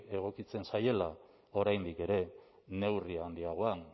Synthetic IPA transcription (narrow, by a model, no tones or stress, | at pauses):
e̞ɣ̞o̞kit͡se̞nsaje̞la | o̞ɾajnd̪ike̞ɾe̞ | ne̞wriand̪iaɣ̞o̞an